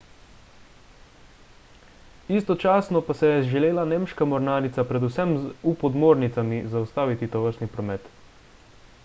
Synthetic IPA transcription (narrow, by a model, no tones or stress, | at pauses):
ist̪ɔt͡ʃaːsnɔpasɛjɛʒɛleːlaneːmʃkamɔɾnaːɾit̪sapɾɛd̪usɛmupɔd̪moːɾnit̪samizaust̪aːʋit̪it̪ɔʋəɾst̪nipɾɔmɛt̪